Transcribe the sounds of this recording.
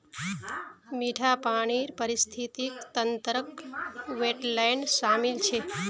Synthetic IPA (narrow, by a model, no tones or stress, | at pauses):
miʈʰapaɳ̃iɾpəɾist̪ʰit̪ikt̪ənt̪ɾəkʋeʈlajnʃamilt͡ʃʰe